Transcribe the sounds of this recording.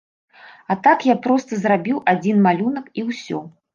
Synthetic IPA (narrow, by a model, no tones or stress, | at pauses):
at̪akjapɾɔst̪ɐzrabʲiwad͡zʲinmalʲunɐkiwsʲɔ̰